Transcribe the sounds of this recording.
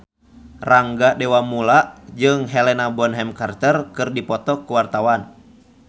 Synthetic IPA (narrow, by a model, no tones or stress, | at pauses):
raŋɡadɛwamulaʔd͡ʒɨŋɦɛlɛnabɔnɦɛmkart̪ərkɨrdipɔt̪ɔkuwart̪awan